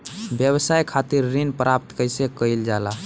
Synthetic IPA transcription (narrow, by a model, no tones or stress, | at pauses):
bjəβsajkʰat̪iɾːinpɾap̚t̪kəjsekəjld͡ʒala